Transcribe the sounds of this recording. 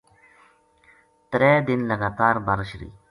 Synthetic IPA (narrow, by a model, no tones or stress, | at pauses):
t̪ɾɛːd̪ɪnlɐɡaːt̪aːɾbɐɾʃɾḭː